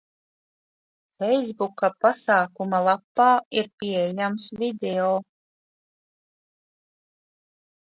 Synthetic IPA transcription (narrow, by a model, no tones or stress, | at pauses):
fɛjzbukapasaːkumalˠapːɑːiɾpʲiɛjamsvid̪eoː